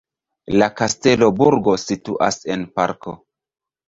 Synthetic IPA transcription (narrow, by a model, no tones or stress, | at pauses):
lakaste̞lo̞buɾɡo̞situʔase̞npa̰ɾko̰